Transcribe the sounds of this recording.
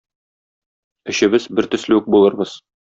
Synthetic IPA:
ɵ̆ɕɘ̆bɘzbɘɾt̪ɵ̆slɘɘk̚bulˠɤ̆ɾbɤz̥

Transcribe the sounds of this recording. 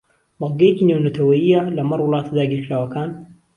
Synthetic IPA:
mɑlɡɐjɐkinewnɐt̪ʰɐwɐjɪjːalɐmɑrˤwʊlˠɑːt̪ʰad̪aːɡiːɾkɾaːwɐkaːn

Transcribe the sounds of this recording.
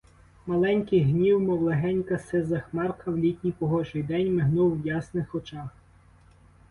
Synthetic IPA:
mɐlˠɛnʲkɪjɦnʲiwmɔwlˠeɦɛnʲkɐsɪzɐxmɑrkʰɐwlʲitʲnʲipɔɦɔʒɪjd̪ɛnʲmɪɦnuwːjɑsnɪxɔt͡ʃɑx

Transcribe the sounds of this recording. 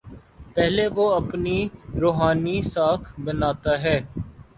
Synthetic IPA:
pɛɦleʋoɐpniɾoːɦaːnisaːkʰbɐnaːt̪aɦɛː

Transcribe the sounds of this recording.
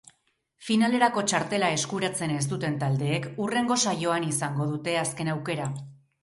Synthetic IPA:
finale̞ɾako̞t͡ʃaɾt̪e̞lae̞skuɾat͡se̞ne̞s̬t̪ut̪e̞nt̪ald̪e̞ːkure̞ŋɡo̞sajo̞anisaŋɡo̞ðut̪e̞aske̞nawke̞ɾa

